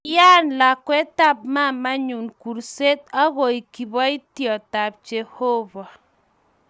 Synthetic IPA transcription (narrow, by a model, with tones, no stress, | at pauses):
ja˦nla˨kwɛ˦ta˦p̚ma˦˨ma˦ɲu˨nku˨ɾse˦t̚a˦ɣo˨i˨ki˨βɔ˦i˦tjɔ˨ta˨p̚t͡ʃe˨ho˦βa˨